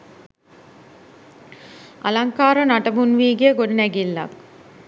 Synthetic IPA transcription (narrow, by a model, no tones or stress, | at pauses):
ʔɐ̰laŋkaːɾɐnaʈɐbunʋiːɡijəɡoɖinæɡilːɐ̰k̚